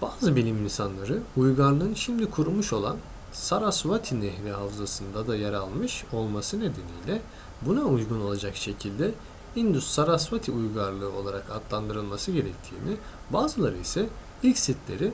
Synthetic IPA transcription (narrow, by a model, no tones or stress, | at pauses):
b̥aːzɯbilʲiminsanlˠaɾɯujɡaɾlˠɯɯnʃimd̪ikʰuɾumuʃo̞lˠan | saɾasvat̪ʰinɛhlʲɛɦavzasɯnd̪ad̪ajaɾalˠmɯʃo̞lˠmasɯne̞d̪e̞nijlʲɛ | bunaujɡuno̞lˠad͡ʒakʃe̞cʰilʲd̪ɛ | ind̪ysːaɾasvat̪ʰiujɡaɾlˠɯːo̞lˠaɾakat̪lˠand̪ɯɾɯlˠmasɯɟe̞ɾɛc̚t̪ʰiːni | baːzɯlˠaɾɯjsɛ | ilʲcsit̪lʲe̞̰ɾi